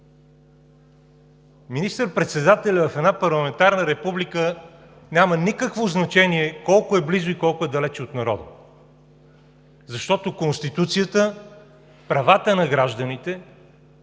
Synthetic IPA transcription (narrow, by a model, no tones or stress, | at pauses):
minist̪əɾpɾɛt̪sɛd̪at̪ɛlʲɐvɐfɛd̪napɐɾlˠɐmɛnt̪aɾnəɾɛpublikə | nʲamənikəkvoznɐt͡ʃɛniɛkɔlˠkʊɛblizʊikɔlˠkʊɛd̪ɐlɛt͡ʃɛot̪nɐɾɔ̰d̪ə | zɐʃt̪ɔt̪okonst̪it̪ut̪sijət̪ə | pɾɐvat̪ənɐɡɾaʒd̪ənit̪ɛ